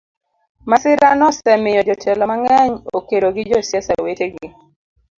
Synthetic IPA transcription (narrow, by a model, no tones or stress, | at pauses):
masɪɾanɔsɛmɪjɔd͡ʒɔtʰɛlɔmaŋɛɲokeɾoɡɪd͡ʒɔsjɛsaweteɡɪ